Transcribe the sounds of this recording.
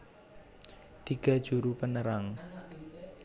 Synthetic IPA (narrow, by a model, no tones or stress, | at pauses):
t̪iɡ̥ä̤d̥ʒ̥uɾupənəɾaŋ